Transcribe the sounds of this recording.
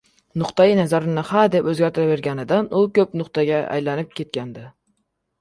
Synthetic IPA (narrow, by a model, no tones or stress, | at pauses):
nʊqt̪ajɪnazaɾɪnɪhad̪epɵzɡʲaɾt̪ʰɪɾave̞ɾɡʲanɪd̪anʊkʰʲɵpnʊqt̪ʰaɡʲaʔa̰jlanɪp̚kʲʰe̞t̪̚kʲʰand̪ɪ